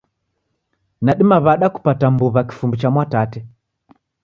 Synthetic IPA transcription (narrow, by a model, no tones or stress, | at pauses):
naɗimaβaɗaku̥patambuβaki̥fumbit͡ʃamwatatɛ